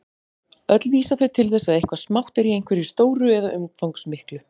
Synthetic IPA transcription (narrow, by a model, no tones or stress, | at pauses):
œt̪lviːsafɛɾt̪ʰɪlθɛsːaðejhkvasmawht̪ɛɾijejnkvɛɾist̪oːwɾʏɛðaʔʏmfawŋksmɪhklʏ